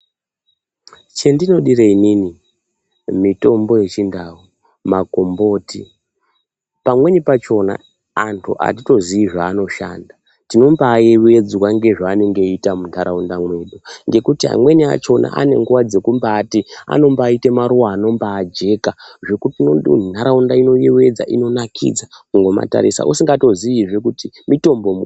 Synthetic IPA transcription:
t͡ʃe̞ndino̞ɗireinini | mito̞mbo̞je̞t͡ʃindau | mako̞mbo̞ːti | pamwe̞nipat͡ʃo̞na̰ | antʰṵʔa̰tito̞ziiʐaːno̞ʃa̰ːnda | tino̞mbaːjewued͡zwaŋɡe̞ʐaːneŋɡe̞itamuntʰaɾaundamwe̞ɗuŋɡe̞kutia̰mwe̞nia̰t͡ʃo̞na̰ʔa̰ne̞̰ŋɡuwad͡ze̞kumbaːtia̰no̞mbaːite̞maɾuwaːno̞mbaːd͡ʒe̞kaʐe̞kutinntʰaɾaundaino̞jewe̞d͡za̰ʔino̞nakʰḭd͡zakuŋɡo̞ma̰ta̰ɾḭsa̰ʔusiŋɡato̞ziiʐekuti | mito̞mbo̞

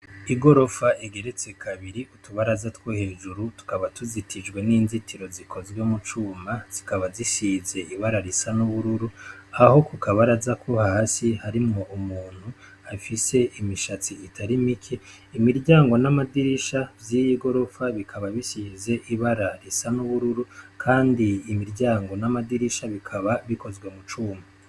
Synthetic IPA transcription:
iɡo̞ɾo̞faʔiɡe̞ɾe̞t͡se̞kʰaβiɾiutuβaɾazatwohe̞ːʒuɾutu̥kaβatuzitʰid͡ʒɡwe̞niːnzitʰiɾo̞zikʰo̞zɡwemut͡ʃuːmaz̥ikaβazisize̞ʔiβaɾaɾisanuβuɾuɾuaho̞kukʰaβaɾazakʰo̞hasihaɾimŋoʔumuːn̥hu | afise̞ʔimiʃat͡siitʰaɾimikʰe | imiɾɟaːŋɡo̞namadiɾiʃavjijiɡo̞ɾo̞faβikʰaβaβisize̞ʔiβaɾaɾisanuβuɾuɾukʰaːndiːmiɾɟaːŋɡo̞namadiɾiʃaβikʰaβaβiko̞zɡwe̞mut͡ʃuːma

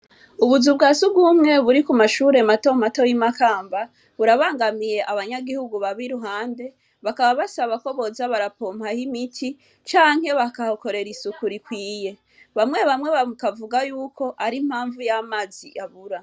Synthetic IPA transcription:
uβuzubɡaːsubɡuːmŋe̞βuɾikumaʃuːɾe̞mato̞mato̞jimakaːmba | βuɾaβaːŋɡamije̞ʔaβaɲaɡihuɡuβaβiɾuɦaːnde̞ | βakaβaβasaβako̞βo̞zaβaɾapomhahimitʰi | t͡ʃaːŋ̥he̞βakahoko̞ɾe̞ɾisukuɾikwiːje̞ | βamŋe̞βamŋe̞βakavuɡajuːkʰo̞ʔaɾim̥haːɱvujamaːziʔaβuɾa

